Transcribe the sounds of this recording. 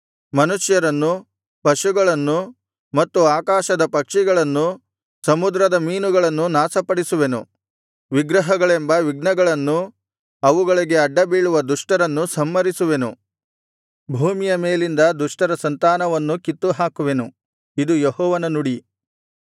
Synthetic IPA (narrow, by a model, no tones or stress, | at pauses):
mɐnuʃjɐɾɐnːu | pɐʂuɡɐɭɐnːu | mɐt̪ːuaːkaːʃɐd̪ɐpɐkʂiɡɐɭɐnːu | sɐmud̪ɾɐd̪ɐmiːnuɡɐɭɐnːunaːsɐpɐɽisuʋe̞nṵ | ʋiɡɾɐɦɐɡɐɭe̞mbɐʋiɡ̚nɐɡɐɭɐnːu | ɐʋuɡɐɭiɡe̞ɐɖːɐbiːɭuʋɐd̪uʂʈɐɾɐnːusɐmːɐɾisuʋe̞nṵ | bʱuːmijɐmeːlind̪ɐd̪uʂʈɐɾɐsɐnt̪aːnɐʋɐnːukit̪ːuɦaːkuʋe̞nu | id̪ujeɦɔːʋɐnɐnuɽi